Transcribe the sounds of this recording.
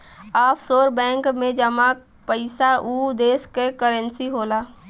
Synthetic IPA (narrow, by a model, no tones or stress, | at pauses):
aːpʰsoːɾbɛ̃ːŋkmẽd͡ʒəmak | pəɪsaʔud̪eːskekəɾə̃nsiɦoːlaː